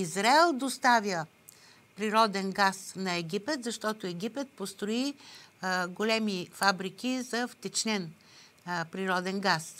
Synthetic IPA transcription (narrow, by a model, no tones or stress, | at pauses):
izɾaɛlˠd̪ost̪avʲjə | pɾiɾɔd̪ɛnɡasnɐɛɡʲipɛt̪zɐʃt̪ɔt̪oɛɡʲipɛt̪̚post̪ɾoi | ɡolɛmifabɾikʲizɐft̪ɛt͡ʃnɛn | pɾiɾɔd̪ɛnɡas